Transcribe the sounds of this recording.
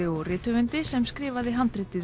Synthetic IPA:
ɪɔɣrɪːt̪ʏvʏnt̪ɪsɛmskɾɪːvaðɪɦant̪ɾɪt̪ːɪ

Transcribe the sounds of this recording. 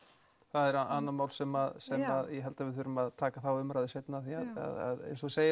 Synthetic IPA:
θaðɛɾaanːalmaːwlsɛmaðsɛmaðjɛɦɛlt̪avɪðθʏɾʏmaðt̪ʰaːkaθawʏmɾaðɪsejt̪naθiaða̰ða̰ðḛjnsɔseːjɪ

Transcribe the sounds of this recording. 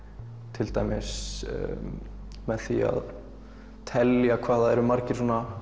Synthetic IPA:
t̪ʰɪlt̪a̰ːjmɪs | mɛðθḭa̰ð | t̪ʰɛljakʰvaːðaðɛɾʏmaɾcɪɾ̥sɔːna

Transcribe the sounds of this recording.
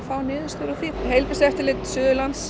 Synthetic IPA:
faːwnɪːðɪnst̪ʏɾʏθiɦejlpɪst̪ɛft̪ɪɾlɪt̪sʏːðʏlant̪s

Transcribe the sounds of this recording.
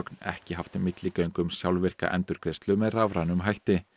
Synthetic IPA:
knɛ̰hcɪɦaft̪mɪt̪lɪcœɥŋkʏmsjawlvɪr̥ka̰ʔɛ̰nt̪ʏɾ̥kʰɾɪst̪lʏmɛðravɾanʏmɦajht̪ɪ

